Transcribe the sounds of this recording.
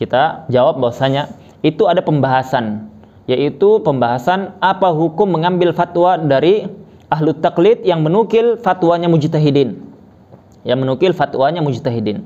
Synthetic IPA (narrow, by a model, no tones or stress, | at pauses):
kit̪ad͡ʒawap̚bawasaɲa | it̪uadapəmbaɦasan | jaʔit̪upəmbaɦasanapaɦukʊmːəŋambɪlfat̪wadaɾi | aɦlʊt̪ːaklɪt̪̚jaŋmənukɪlfat̪waɲamud͡ʒit̪aɦidɪn | jaŋmənukɪlfat̪waɲamud͡ʒit̪aɦidɪn